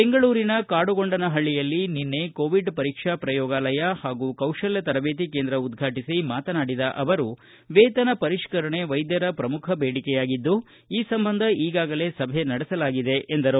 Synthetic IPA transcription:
beŋɡɐɭuːɾinɐkaːɽuɡo̞ɳɖɐnɐɦɐɭːijɐlːininːekoːʋiɖpɐɾiːkʂapɾɐjɔːɡaːlɐjɐhaːɡuːkɐwʂɐljɐt̪ɐɾɐbeːt̪̬ikeːnd̪ɾɐud̪ɡʱaːʈisimaːt̪ɐnaːɽid̪ɐʔɐʋɐɾu | ʋeːt̪ɐnɐpɐɾiʂkɐɾɐɳe̞ʋɐjd̪jɐɾɐpɾɐmukʰɐbeːɽikɛjaːɡid̪ːu | iːsɐmbɐnd̪ʱɐiːɡaːɡɐle̞ːsɐbʱenɐɽɛsɐlaːɡid̪e̞ʔːnd̪ɐɾu

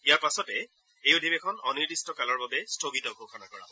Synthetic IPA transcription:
ijaɹpasɔtɛ | ejʊdʱibɛkʰɔnɔniɹdistɔkalɔɹbabɛstʰoɡitɔɡʱokʰɔnakɔɹabɔ

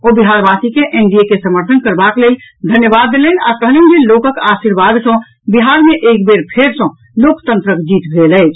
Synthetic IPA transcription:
obiɦaɾbasikeʔeɳɖiekesəməɾt̪ʰənkəɾbakleld̪ʱənjəbad̪ːeləna̰kəɦlend͡ʒelokəkasiɾbad̪sə̃ | biɦaɾmeʔekbeɾpʰeɾsə̃ | lokʰt̪ə̃nt̪ɾəkd͡ʒit̪bʱeləɪt͡ʃʰ

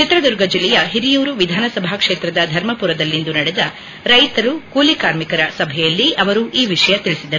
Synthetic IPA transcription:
t͡ʃit̪ɾɐd̪uɾɡɐd͡ʒilːɛjɐɦiɾijuːɾuʋid̪ʱaːnɐsɐbʱakʂeːt̪ɾɐd̪ɐd̪ʱɐɾmɐpuɾɐd̪ɐlːind̪unɐɽɛd̪ɐ | ɾɐjt̪ɐɾukuːlikaːɾmikɐɾɐsɐbʱɛjɐlːiɐʋɐɾuʔiːʋiʂɐjɐt̪iɭisid̪ɐɾu

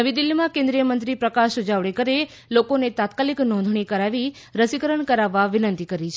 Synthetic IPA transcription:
əʋid̪ɪlːimãkẽnd̪ɾijəmənt̪ɾipɾəkaʃud͡ʒaʋɭekəɾe | lokonet̪at̪kaliknɔ̃nd̪ʱɳ̃ikəɾaʋi | ɾəsikəɾəɳkəɾaʋːaʋɪnənt̪ikəɾit͡ʃʰ

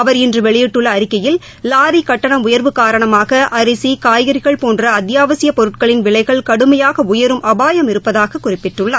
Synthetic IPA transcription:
ɐʋɐɾɪndrɯʋɛɭɪjɪʈːɯɭːɐːɾɪkːɐjɪl | laːɾikɐʈːɐɳɐmʊjɐɾʋɯkaːɾɐɳɐmaːɣɐʔɐɾɪsikaːjɣɐɾɪɣɐɭpoːndrɐɐd̪jaːʋɐsɪjɐpɔɾɯʈ̚kɐɭɪnʋɪɭɐɪɣɐɭkɐɽɯmɐjaːɣɐʊjɐɾɯmʔɐbaːjɐmɪɾɯpːɐðaːɣɐkːʊrɪpːɪʈrɯɭːɐ

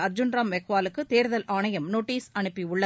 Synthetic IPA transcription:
ɐɾd͡ʒʊnɾaːmʋɛɣʋaːlɯkːɯt̪eːɾðɐlʔaːɳɐjɐmnoːʈːiːsɐɳɯpːiʊɭːɐ

